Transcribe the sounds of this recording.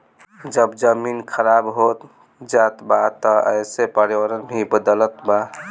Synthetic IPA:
d͡ʒəbd͡ʒəminkʰəɾabɦot̪ | d͡ʒat̪bat̪ɔə̰ɪsepəɾiwəɾənbʱibəd̪ələt̪ba

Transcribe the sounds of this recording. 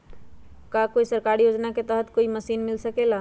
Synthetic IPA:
kakoisəɾkaɾijod͡ʒnaket̪əɦət̪koiməsiːnmɪlsəkela

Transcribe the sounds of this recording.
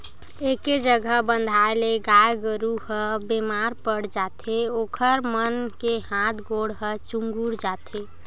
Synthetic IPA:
eked͡ʒəɡʱəɦbənd̪ʱaeleɡaeɡəɾuhəbemaɾpəɽd͡ʒat̪ʰeokʰəɾmənkehãt̪ʰɡoɽɦət͡ʃuŋɡuɾd͡ʒat̪ʰe

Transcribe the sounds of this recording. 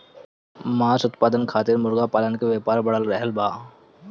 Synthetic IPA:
maːsʊt̪paːd̪ənkʰaːt̪ɪɾmʊɾɡapaːlənkeʋeːpaːɾbɐɽəlɾɛɦəlbaː

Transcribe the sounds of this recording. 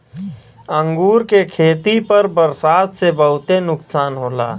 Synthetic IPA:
ə̃ŋɡuːɾkekʰeːt̪ipəɾbəɾsaːt̪sebəɦʊt̪enʊksaːnɦoːla̰ː

